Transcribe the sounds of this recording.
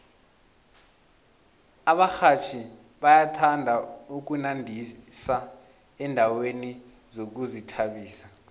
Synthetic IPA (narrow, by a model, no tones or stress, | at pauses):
aɓaxat͡ʃʰi | ɓajatʰandʱauk̬unandʱisa | ɛndʱaweni | zok̬uzitʰaɓiːsḁ